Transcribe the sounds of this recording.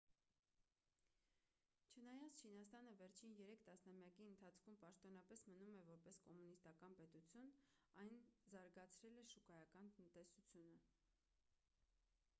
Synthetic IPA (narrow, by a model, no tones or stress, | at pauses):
t͡ʃʰənɑjɑt͡st͡ʃʰinɑst̪ɑnəvɛɾt͡ʃʰinjɛɾɛkʰt̪ɑsnɑmjɑkiənt̪ʰɑt͡sʰkʰumpɑʃt̪ɔnɑpɛsmənumɛvɔɾpɛskɔmunist̪ɑkɑnpɛt̪ut͡sʰjun | ɑjnzɑɾɡɑt͡sʰɾɛlɛʃukɑjɑkɑnt̪ənt̪ɛsut͡sʰjunə